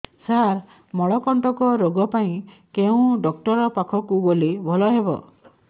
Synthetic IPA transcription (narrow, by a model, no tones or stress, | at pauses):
saɾ | mɔɭɔkɔɳʈɔkɔɾoɡɔpaĩ | keũɖɔk̚ʈɔɾɔpakʰɔkuɡolibʱɔlɔɦebɔ̰